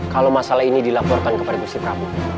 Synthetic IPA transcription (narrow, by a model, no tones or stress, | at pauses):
kalowmasalaɦinidilapɔrkankəpadaɡust̪ipɾabu